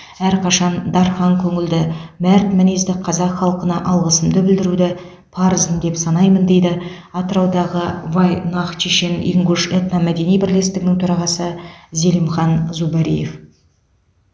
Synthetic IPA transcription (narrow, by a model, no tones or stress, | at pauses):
æɾqʰɑʃɑnd̪ɑɾχɑŋkʲʰɵŋɪld̪ɪmæɾt̪mænezd̪ɪqʰɑzɑqχɑlˠqənɑʔɑlˠʁəsəmd̪əbɪld̪ɪɾud̪ɪ | pʰɑɾəzənd̪e̞psɑnɑjmənd̪e̞jd̪ɪ | ɑt̪əɾɑwd̪ɑʁəvɑjnɑqt͡ʃʰeʃe̞nḭŋɡuʃet̪nɑmæd̪e̞nijbɪɾle̞st̪ɪɡʲɪnɪŋt̪ʰʊɾɑʁɑsəze̞ləmχɑnzubɑɾije̞f